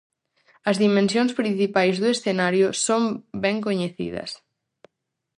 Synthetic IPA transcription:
ɐzðimẽnsjõŋspɾin̟θipajzðʊesθenaɾjʊsombɛŋkoɲeθḭðɐ̰s

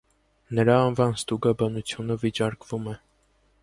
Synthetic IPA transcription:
nəɾɑːnvɑnst̪uɡɑbɑnut͡sʰjunəvit͡ʃɑɾkvumɛ

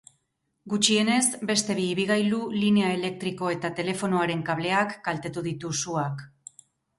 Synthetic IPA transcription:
ɡut͡ʃie̞ne̞zbe̞st̪e̞βiːβiɣ̞ajluline̞ae̞le̞k̚t̪ɾiko̞e̞t̪at̪e̞le̞fo̞no̞aɾe̞ŋkaβle̞akɡalt̪e̞t̪uðit̪usuak

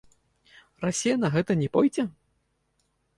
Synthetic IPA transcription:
rasʲijɐnɐɣɛt̪ɐnʲɛpɔjd͡zʲɛ

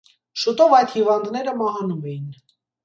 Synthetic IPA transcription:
ʃut̪ɔvɑjd̪hivɑnd̪nɛɾəmɑɦɑnumɛjin

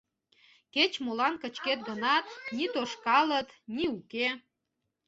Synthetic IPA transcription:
ket͡ɕmolɑnkət͡ɕket̪̚ɡənɑt̪nit̪oʃkɑlət̪niuke

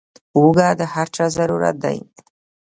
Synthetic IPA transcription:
uɡad̪əhaɾt͡ʃazaɾuɾa̰t̪̚d̪a̰ji

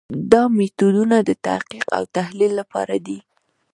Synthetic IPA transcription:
d̪ɑmet̪od̪unad̪ət̪a̰hqiqa̰wt̪ahlilːapɑ̰ɾad̪i

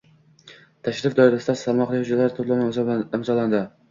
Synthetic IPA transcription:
t̪ʰaʃɾɪfd̪ɒɪɾasɪd̪asamɒχlɪhʊd͡ʒlaɾt̪ʰʊt̪lˠamzbɪmzɒlˠand̪ɪ

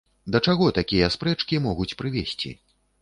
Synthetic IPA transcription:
d̪ɐt͡ʂaɣɔt̪akʲijɐspɾɛt͡ʂkʲimɔɣut͡sʲpɾɨvʲesʲt͡sʲḭ

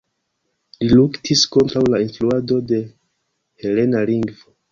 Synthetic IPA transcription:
liluktʰisko̞ntɾawlainfluado̞de̞ | he̞le̞naliŋɡvo

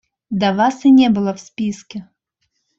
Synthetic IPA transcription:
d̪ɐvasɨnʲɛbɨlˠɐwsʲpʲiskʲɛ

